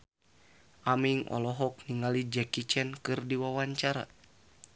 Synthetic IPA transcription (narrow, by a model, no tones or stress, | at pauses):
ʔamiŋʔɔ̰lɔɦɔk̚niŋalid͡ʒɛkit͡ʃɛnkɨrdiwawaɲt͡ʃaɾa̰